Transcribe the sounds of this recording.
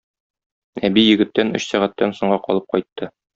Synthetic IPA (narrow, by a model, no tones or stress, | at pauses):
æbijɘ̆ɡɘ̆t̪ːænɵ̰̆ɕsæʁæt̪ːænsŏɴʁɑqɒ̰lˠɤp̚qɒjt̪ːɤ